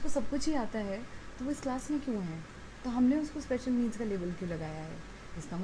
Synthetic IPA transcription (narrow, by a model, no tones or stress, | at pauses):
kosɐb̚kʊt͡ʃʰɦiaːt̪aɦɛt̪oʋoɪsklaːsmẽkjõɦɛ̃ː | t̪oɦɐmneʊskospɛːʃəlmiːzkaleːʋəlkjũlɐɡaːjaɦɛ̰ː | ɪskamɐ